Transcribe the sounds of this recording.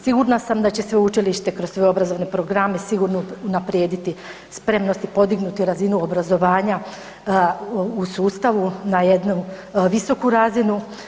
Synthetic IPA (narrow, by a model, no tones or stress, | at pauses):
siɡuɾnasamd̪at͡ɕe̞sʋe̞ut͡ʃiliʃt̪e̞kɾosʋeo̞bɾazo̞ʋne̞pɾo̞ɡɾame̞siɡuɾnounapɾje̞ːd̪it̪i | spɾe̞mno̞st̪ipo̞d̪iɡnut̪iɾazinuo̞bɾazo̞ʋaːɲa | usuːst̪aʋunajed̪nuʋiso̞kuɾazinu